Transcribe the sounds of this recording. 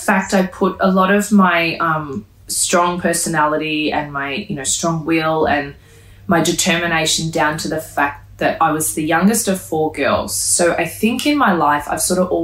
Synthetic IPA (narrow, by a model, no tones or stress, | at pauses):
fæk̚taɪpʰʊɾə̰lɔɾʌvmaɪʌ̃m | stɹ̥ɔ̃ŋpʰɜ˞sɨnælˠəɾiɨ̃nmaɪjɨnoʊstɹ̥ɔ̃ŋwɪlˠɨ̃n | maɪdɨtʰɜ˞mɨneɪʃn̩dãʊ̃ntʰɨðɨfæk̚t̪̚ðɨɾaɪwʌzðɨjʌ̃ŋɡɨstʌv̥fɔɹɡɜ̰˞lˠz̥soʊʔa̰ɪθɪ̃ŋkɨ̃nmaɪlaɪfa̰ɪv̥sɔɹɾʌvɔ